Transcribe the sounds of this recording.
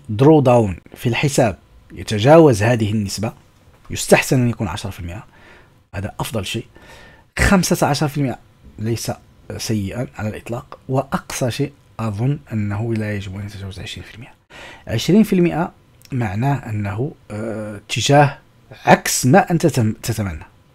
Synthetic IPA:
d̪ɾud̪awnfilħəsæb̚ | jə̰t̪æʒæwəzhæd̪əhənːəsba | jʊst̪aħsənʔænjækunʕa̰ʃɾˤɑfilməʔa | hæd̪aʔɑfd̪ˤɑlʃiʔ | xæmsat̪ʕaʃɾˤfilməʔa | ləjsa | sæjːəʔaʕalælʔə̰t̪ˤlɑqwəʔɑqsɑʃeʔ | ʔɑd̪ˤonːʔənːɦulːæjəʒəbʔænjət̪æʒæwəzʕə̰ʃɾinfilməʔaʕəʃɾinfilməʔa | maʕnæʔənːɦu | t̪ːəʒæh | ʕaksmæʔənt̪t̪ət̪æmænːa

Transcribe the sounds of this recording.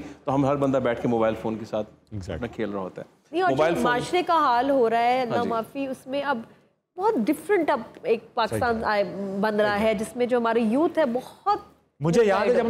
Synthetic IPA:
t̪oɦɐmɦɐɾbɐ̃nd̪abɛːʈʰkemoːbaːɪlfoːnkesaːt̪ʰ | ɡz̰pnakʰeːlɾaɦoːt̪aɦɛː | niɔːɾmoːbaːɪlmaːʃɾekaɦaːlɦoːɾaaɦɛɐnːamaːfiʊsmẽɐb | bɔɦɔt̪̚ɖɪfɾə̃ɳʈɐbeːk̚paːkɪst̪ãːnaːebɐ̃nd̪ɾaɦɛd͡ʒɪsmẽd͡ʒoːɦɐmaːɾejuːt̪ʰɦɛbɔhɔt̪̚ | mʊd͡ʒʱejaːd̪ɛɐ

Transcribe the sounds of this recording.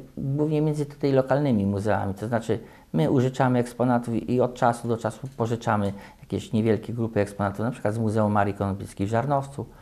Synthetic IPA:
ɡwuvɲɛmʲjɛnzɘt̪u̥t̪ajlɔkalnɘmʲimuzɛa̰mʲit̪ɔznat͡ʂɘ | mɘʔuʐɘt͡ʂamɘɛkspɔnat̪ufʔiɔt̪̚t͡ʂasud̪ɔt͡ʂasupɔʐɘt͡ʂamɘjakʲɛɕɲɛvʲjɛlkʲɛɡɾupɘɛkspɔnat̪ufnapʂɘkwad̪zmuzɛumːaɾikɔnɔbʲit̪skʲivʐaɾnɔft̪su

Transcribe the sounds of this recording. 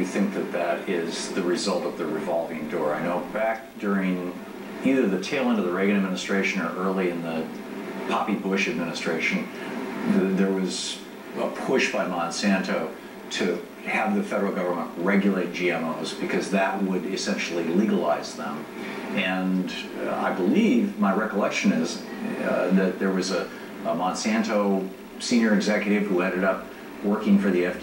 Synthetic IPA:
jɨθɪ̃ŋk̚ðɨt̪̚ðɨɾɪzðɨɹɨzʌlˠtʌvðɨɹɨvɑlˠvɪ̃ŋdɔɹaɪnoʊbæk̚d̥ʊɹɪ̃ŋ | iðə˞ðɨtʰeɪlˠɪ̃nʌðəɹeɪɡɨ̃ɨd̚mɪnɨstɹ̥eɪʃɨ̃nə̰˞ʔɜ˞lˠiɨ̃nðə | pʰɑpibʊʃɨd̚mɪnɨstɹ̥eɪʃɨ̃n̩ | ðə˞wʌz | əpʰʊʃb̥aɪmɑ̃nsæ̃ntoʊ | ɾɨ | ɨvðɨfɛɾə˞l̩ˠɡʌvə˞mə̃nʔɹɛɡjl̩ˠeɪt̚d̥ʒ̥iɛ̃moʊzbɨkʰʌzðɨt̚wəɾɨsɛ̃nʃl̩ˠiliɡəla̰ɪzðə̰̃m | ɨ̃n | a̰ɪbəlivmaɪɹɛkəlɛkʃɨ̃nɪz | ðɨt̪̚ðə˞wʌzə | mɑ̃nsæ̃ntoʊ | sĩnjə˞ɨɡzɛkjɨɾɨv̥huɛ̃ɾ̃ɨɾʌp̚ | wɜ˞kɪ̃ŋfə˞ðiɛf

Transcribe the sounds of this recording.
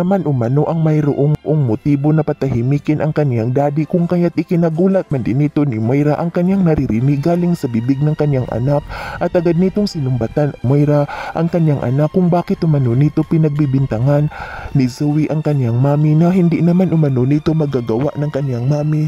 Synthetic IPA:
ɐmanʔʊmɐno̞ʔɐŋmɐjɾoʔoŋʔoŋmot̪iːbonɐpɐt̪ɐɦɪmiːkɪnʔɐŋkɐnjaŋd̪aːd̪ɪkʊŋkɐjat̪̚ʔɪkɪnɐɡuːlɐt̪̚mɐnd̪ɪnɪt̪onɪmojɾaʔɐŋkɐnjaŋnɐɾɪɾɪnɪɡaːlɪŋsɐbibɪɡ̚nɐŋkɐnjaŋʔɐ̰nak̚ʔɐt̪ʔɐɡad̪̚nit̪oŋsɪnʊmbat̪anʔʊmojɾaʔɐŋkɐnjaŋʔɐ̰nakːʊŋbaːkɪt̪ʔʊmɐnonit̪o̞pɪnɐɡ̚bibɪnt̪ɐŋanːɪzuwiʔɐŋkɐnjaŋmaːmɪnɐɦɪnd̪ɪnɐmanʔʊmɐnonit̪o̞mɐɡaɡɐwaʔnɐŋkɐnjaŋmaːmɪ

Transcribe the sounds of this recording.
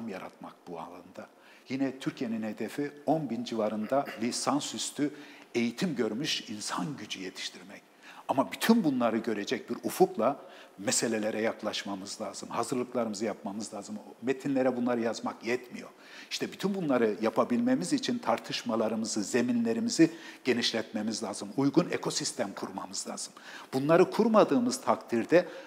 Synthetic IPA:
mjaɾa̰t̪̚mak̚b̥ua̰lˠand̪a | jinɛt̪ʰyɾcʰije̞ninhe̞d̪efio̞nbind͡ʒivaɾɯnd̪alʲisansyst̪ʰye̞jit̪ʰimɟø̞ɾmyʃinsanɟyd͡ʒyjet̪ʰi̥ʃt̪ʰiɾmɛc | amabyt̪ʰynbunlˠaɾɯɟø̞ɾed͡ʒɛc̚biɾufuplˠamese̞lʲe̞lʲeɾɛjaklˠaʃmamɯzlʲˠaːzɯmhazɯɾlˠɯklˠaɾɯmɯzɯjap̚mamɯzlˠaːzɯmomet̪ʰinlʲe̞ɾɛbunlˠaɾɯjazmakjɛt̪mijo̞̰ɾ | iʃt̪ʰɛbyt̪ʰynbunlˠaɾɯjapʰabilʲme̞mizit͡ʃʰint̪ʰaɾt̪ʰɯʃmalˠaɾɯmɯzɯze̞minlʲe̞ɾimiziɟ̥e̞niʃlʲɛt̪me̞mizlʲaːzɯmujɡunḛkʰo̞sist̪ʰæmkʰuɾma̰mɯz̥lˠa̰ːz̥ɯm | b̥unlˠaɾɯkʰuɾmad̪ɯːmɯz̥t̪ʰakt̪ʰiɾd̪ɛ

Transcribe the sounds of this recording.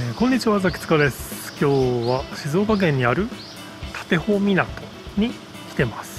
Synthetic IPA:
ekõ̞ɲ̟ːit͡ɕiβazakʲi̥t͡sɨ̥kad̪e̞sɨ̥kʲo̞ːβaɕizo̞ːkak̬ẽ̞ɲ̟ːiaɾɯ̟ | t̪ʰḁt̪e̞ho̞mʲinat̪o̞ | ɲ̟i | kʲi̥t̪e̞masɨ̥

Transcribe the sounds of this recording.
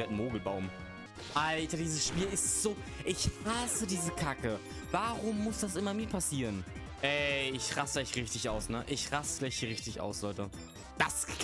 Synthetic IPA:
ɛtn̩moːɡl̩baʊm | ʔaltadiːzəsʃpiːɐɪstz̥oː | ʔɪçʁasədiːzəkʰakə | vaːʁʊmːʊsd̥asʔɪmɐmiːɐpʰasiːʁən | ʔɛɪçʁasəɛɪçʁɪçtɪçʔaʊsnəʔɪçʁasəɡ̥laɪç̥iʁɪçtɪçʔa̰ʊslɔʏtə | d̥as

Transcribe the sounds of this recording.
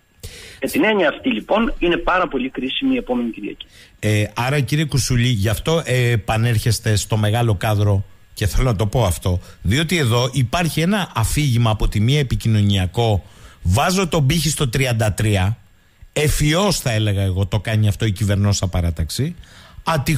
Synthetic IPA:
met̪ineɲiɐːft̪ilipo̞nine̞pɐɾɐpo̞likɾisimiːe̞po̞me̞ɲiciɾiɐ̰cieɐɾɐciɾiekusuʎiʝɐft̪o̞ʔepɐne̞ɾçe̞st̪e̞st̪o̞me̞ɣɐlo̞kɐðɾo̞ | ce̞θe̞lo̞nɐt̪o̞po̞ɐft̪o̞ðio̞t̪ie̞ðo̞ʔipɐɾçie̞nɐʔːfiʝimɐːpo̞t̪imiɐepicino̞niɐko̞vɐzot̪o̞biçist̪o̞t̪ɾiɐnd̪ɐt̪ɾiɐ | e̞fio̞sθɐe̞le̞ɣɐe̞ɣo̞t̪o̞kɐɲiɐft̪o̞icive̞ɾnosɐpɐɾɐt̪ɐksiɐt̪i

